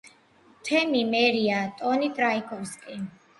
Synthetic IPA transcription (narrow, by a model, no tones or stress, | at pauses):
t̪ʰɛmimɛɾiat̪ʼɔnit̪ʼɾaikʰɔɾskʼi